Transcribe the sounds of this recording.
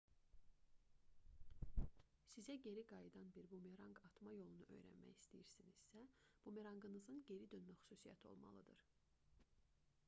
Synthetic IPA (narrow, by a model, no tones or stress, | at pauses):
sizæɟe̞ɾiɡɑjɯd̪ɑnbiɾbumeɾɑŋɡɑt̪ʰmɑjo̞lˠunuʔø̞̰jɾæ̰nmæ̰jist̪ijiɾsiniz̥sæb̥umeɾɑŋɡɯnɯzɯnɟe̞ɾid̪ønmæxy̥suːsijɑ̰t̪ʰo̞̰lˠmɑ̰lˠɯd̪ɯɾ̥